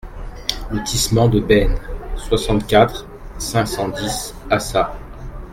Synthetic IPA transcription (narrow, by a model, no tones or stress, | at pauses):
lət̪ʰismɑ̃d̪əbɛnswasɑ̃t̪kʲat̪χ | sɛ̃ksɑ̃d̪is | asa